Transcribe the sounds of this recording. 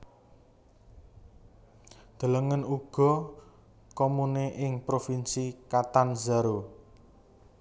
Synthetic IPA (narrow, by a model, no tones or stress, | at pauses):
d̪̥ə̤ləŋənuɡ̥ɔ̤ | komuneʔɪŋpɾofinsikat̪anzaɾo